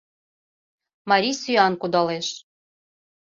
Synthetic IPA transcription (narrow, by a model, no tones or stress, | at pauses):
mɑɾʲisyɑnkud̪ɑleʃ